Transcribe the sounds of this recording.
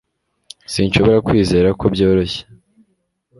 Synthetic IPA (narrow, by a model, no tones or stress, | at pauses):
sinʃo̞βo̞ɾakwiːze̞ːɾako̞bjo̞ːɾo̞çe̥